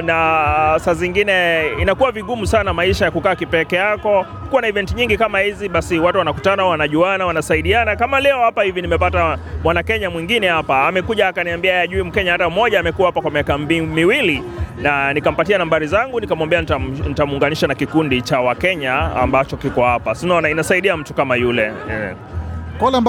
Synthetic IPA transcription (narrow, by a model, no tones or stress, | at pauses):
nasaziŋɡinɛinakuwaviɠumusanamaiʃajakukaːkipɛkɛjakɔ | kuwanaivɛntiɲiŋɡikamahiziɓasiwatuwanakutanawanaʄuanawanasaiɗianakamalɛɔhapahivinimɛpatamwanakɛɲamwiŋɡinɛhapaːmɛkuʄaakaniambiaajaʄuim̩kɛɲaatam̩mɔʄaːmɛkuwahapakwamiakambimiwili | nanikam̩patianambaɾizaŋɡunikamwambɛaanitamuːŋɡaniʃanakikundit͡ʃawakɛɲaa̰mbat͡ʃɔkikɔhapasinɔnainasaiɗiam̩tukamajulɛɛ | kɔlɛm